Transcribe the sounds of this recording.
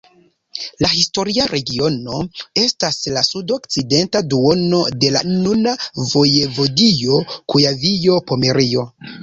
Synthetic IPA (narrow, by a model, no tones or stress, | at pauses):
lahisto̞ɾiaɾʔe̞ɡio̞no̞e̞staslasudo̞kt͡side̞ntaduo̞no̞de̞lanunavo̞je̞vo̞dijo̞kujavijo̞po̞me̞ɾijo̞